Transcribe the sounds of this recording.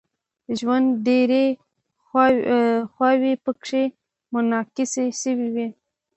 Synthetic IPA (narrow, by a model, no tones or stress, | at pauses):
ʒwand̪ɖeɾe | xwɑwepəkʂe | mʊnɑkɪseʃəwiwi